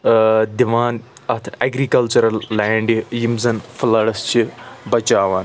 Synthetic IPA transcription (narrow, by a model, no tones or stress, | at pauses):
d̪iʋaːnɐt̪ʰeɡɾikɐlt͡ʃɐɾɐlːɛːɳɖijimzɐnflɐɽɐst͡ʃʰibɐt͡ʃaːʋɐn